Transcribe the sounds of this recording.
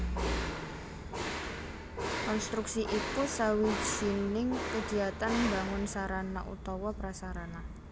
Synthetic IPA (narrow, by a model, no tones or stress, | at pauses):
kɔnst̪ɾuksiʔik̪usawi̥d͡ʒinɪŋkə̥d̥i̤at̪anmbaŋʊnsaɾanaʔṵt̪ɔwɔpɾasaɾana